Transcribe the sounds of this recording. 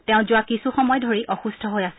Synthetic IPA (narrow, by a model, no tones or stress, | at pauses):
tɛʊ̃zʊwakisuxɔmɔjdʱoɹiʔɔxusdʱɔɦojas